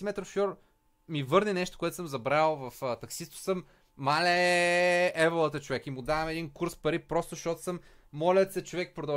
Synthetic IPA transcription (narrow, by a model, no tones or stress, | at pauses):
mɛt̪ɾofʃɔɾ | mivɤɾnɛnɛʃt̪ʊ̥koɛt̪səmzɐbɾalˠvɐft̪ɐksist̪ʊ̥səmː | alɛ | ɛvlˠət̪ət͡ʃʊvɛkimud̪avɐmɛd̪inkuɾspɐɾipɾɔst̪ʊʃt̪ɔt̪ʊ̥sɤmː | ɔlʲət̪sɛt͡ʃovɛk̚pɾʊd̪ɐ